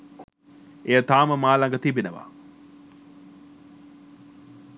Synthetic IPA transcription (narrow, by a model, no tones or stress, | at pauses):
ejət̪aːməmaːlaŋɡət̪ibenəʋa̰